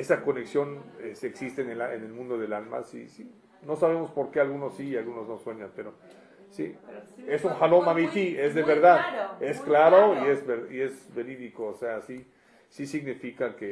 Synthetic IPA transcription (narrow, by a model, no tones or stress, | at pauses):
e̞sako̞ne̞ksjo̞neseksist̪enelaenelmũnd̪o̞ðe̞lalma̰sḭsi | no̞saβe̞mo̞spo̞ɾke̞alɣuno̞sːiːalɣuno̞znoswe̞ɲanpe̞ɾo̞ | sḭe̞suŋxalomamit̪ie̞zðeβeɾðaðe̞sklaɾo̞ie̞zβeɾie̞zβe̞ɾiðikoːseasi | sisiɣnifikake